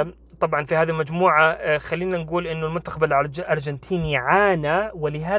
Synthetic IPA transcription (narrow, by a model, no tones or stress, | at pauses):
t̪ˤɑbʕɑnfihaːðilmad͡ʒmuːʕaxalːiːnanɡuːlʔɪnːʊlmʊnt̪ːaxabalʔɑɾˤd͡ʒant̪ʰiːniʕaːnawɪlɪɦaː